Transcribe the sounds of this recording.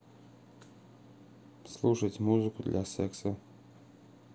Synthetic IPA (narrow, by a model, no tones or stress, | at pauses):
slˠuʂɐt͡sʲmuzɨkʊd̪lʲʔɐsɛksɐ